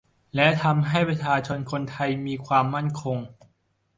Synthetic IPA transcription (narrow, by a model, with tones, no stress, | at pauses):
lɛ˦˥ʔt̪ʰa˧mɦa˥˩jpɾa˧˥t͡ɕʰaː˧t͡ɕʰo˧nkʰo˧nt̪ʰa˧jmiː˧kʰwaː˧mːa˥˩nkʰo˧ŋ